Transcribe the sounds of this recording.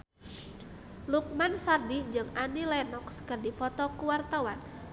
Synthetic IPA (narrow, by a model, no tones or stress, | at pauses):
luk̚mansardid͡ʒɨŋanilɛnɔkskərdipɔt̪ɔkuwart̪awan